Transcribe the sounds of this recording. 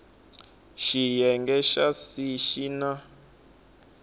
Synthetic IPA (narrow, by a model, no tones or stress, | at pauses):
ʃijɛŋɡɛʃasiʃina